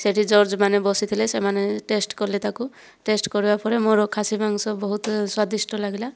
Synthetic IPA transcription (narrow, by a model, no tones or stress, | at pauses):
seʈʰid͡ʒɔɾd͡ʒmanebɔsit̪ʰilesemaneʈesʈkɔɾlet̪aku | ʈesʈkɔɾibapʰɔɾemoɾɔkʰasimaŋsɔbɔɦut̪swad̪isʈɔlaɡila